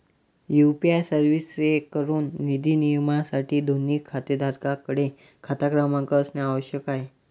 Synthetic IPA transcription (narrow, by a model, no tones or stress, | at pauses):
jupiajsəɾʋisekəɾuːnːid̪iːnijəmasaʈiːd̪ʱoniːkʰːat̪ed̪ʱaɾkakəɽe | kʰat̪akɾamãŋkəəsnaaʋəɕjəkaɦe